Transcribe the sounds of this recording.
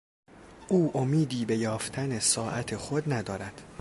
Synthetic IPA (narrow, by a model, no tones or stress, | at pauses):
ʔuːʔomiːd̪iːbe̞jɒːft̪ʰænesɒːʔæt̪ʰexod̪næd̪ɒːɾæd̪̥